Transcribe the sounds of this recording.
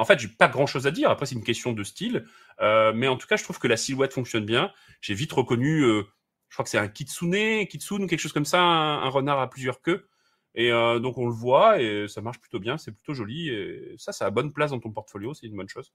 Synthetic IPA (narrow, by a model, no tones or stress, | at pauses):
ɑ̃fɛt̪ʒepaɡʁɑ̃ʃozad̪iʁapχɛsɛt̪ynkʲɛst̪jɔ̃d̪əst̪il | ømɛɑ̃t̪u̥kaʒət̪χuv̥kəlasilwɛt̪fɔ̃ksjɔnbjɛ̃ | ʒ̥evit̪ʁəkɔnyø | ʒ̥ə̥kχwakə̥sɛɛ̃kʲit̪suneɛ̃kʲit̪sunukʲɛlkə̥ʃoz̥kɔmsaɛ̃ɛ̰̃ʁənaʁaplyzjœʁkʲø | eød̪ɔ̃kɔ̃ləvwaesamaʁʃply̥t̪objɛ̃sɛply̥t̪oʒɔliesasaːbɔnplasd̪ɑ̃t̪ɔ̃pɔʁt̪fɔljosɛt̪ynbɔnʃoz